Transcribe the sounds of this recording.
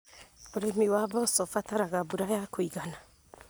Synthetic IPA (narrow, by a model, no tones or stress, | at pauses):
oɾemiwaβɔsɔfataɾaɣabuɾajakoiɣana